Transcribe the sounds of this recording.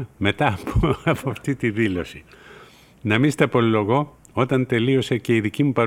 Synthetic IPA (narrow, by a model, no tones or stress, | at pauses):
me̞t̪ɐpɐpoɐft̪it̪iðilo̞si | nɐmist̪ɐpo̞lːo̞ɣo̞ | o̞t̪ɐnt̪e̞lio̞sece̞iðicimupɐɾ